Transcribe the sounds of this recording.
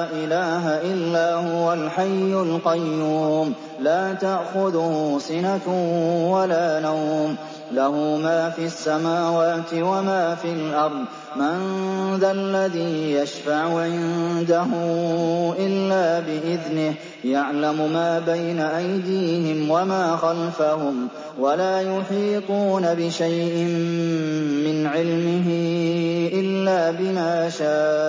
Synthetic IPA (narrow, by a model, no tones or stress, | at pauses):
ʔɪlaːɦaʔɪlːaːhʊwalħajːʊlqɑjːuːm | laːt̪aʔxʊðʊhʊsɪnat̪walaːnawm | lahʊmaːfiasːamaːwaːt̪ɪwamaːfilʔɑɾˤd̪ˤ | manðalːaðiːjaʃfaʕʊʕɪnd̪aɦʊ | ʔɪlːaːbɪʔɪðnɪh | jaʕlamʊmaːbajnaʔajd̪iːhɪmwamaːxalfahʊm | walaːjʊħiːt̪ˤuːnabɪʃajʔɪmː | ɪnʕɪlmɪɦɪ | ʔɪlːaːbɪmaːʃaːʔ